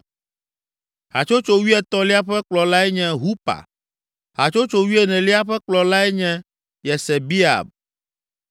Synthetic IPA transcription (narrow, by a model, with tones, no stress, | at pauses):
ɦa˨t͡ʃo˦t͡ʃo˦wi˦ɛ˨t̪ɔ˦li˦a˦ɸɛ˦k͡plɔ˨la˦ɛ˦ɲɛ̃˦ɦu˦pa̰˨ | ɦa̰˨t͡ʃo˦t͡ʃo˨wi˦ɛ˨nɛ̃˨li˦a˦ɸɛ˦k͡plɔ˨la˦ɛ˦ɲɛ̃˦ | jɛ˨sɛ˨bi˦a̰˨b̚